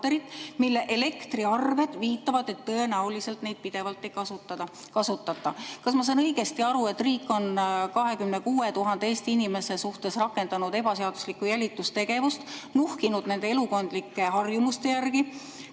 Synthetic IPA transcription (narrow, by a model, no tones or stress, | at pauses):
eɾit̪ːˑmilːe̞ʔele̞kt̪riɑrve̞d̪̥viːt̪ːˑɑvɑd̪e̞t̪ːɤ̞e̞næulise̞lt̪ne̞jd̪̥̚pid̪̥e̞vɑlt̪ˑːe̞jkɑsut̪ːɑɑ | kɑsut̪ːˑɑt̪ːˑɑkɑsmɑs̬ɑːnɤjɡ̥e̞st̪iɑɾue̞t̪ːriːkːˑo̞nkɑɦe̞kymne̞kuːe̞t̪uɦɑnd̪̥e̞eːst̪iinime̞se̞suht̪e̞srɑkːe̞nd̪ɑnud̪̥e̞bɑseɑd̪̥uslikːˑujælʲit̪ːˑust̪e̞ɡ̥e̞vust̪nuhkinud̪̥ne̞nd̪e̞e̞luko̞nd̪̥likːe̞ɦɑrjumust̪e̞jærɡi